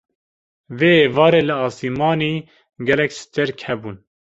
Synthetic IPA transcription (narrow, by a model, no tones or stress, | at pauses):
veːvɑːɾeːlɨɑːsimɑːniː | ɡɛlɛksɨ̥t̪eɾkʰhɛbuːn